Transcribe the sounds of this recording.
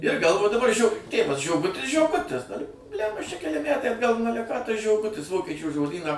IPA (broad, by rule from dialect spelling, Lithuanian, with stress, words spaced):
ɪr ˈɡɐlˠʋoː dɐˈbɐr ʒʲoː ˈtʲeːʋɐs ʒʲoːˈɡʊtʲɪs ʒʲoːˈɡʊtʲɪs dɐr bʲlʲæmbɐ ɐʃ t͡ʃʲɛ kʲɛˈlʲɪ ˈmʲætɐɪ ɐdˈɡɐlˠ nʊ ˈɑːlʲɛ kɑː tɐs ʒʲoːˈɡʊtʲɪs ˈʋoːkʲiɛt͡ʃʲuː ʒoːˈdʲiːnɑː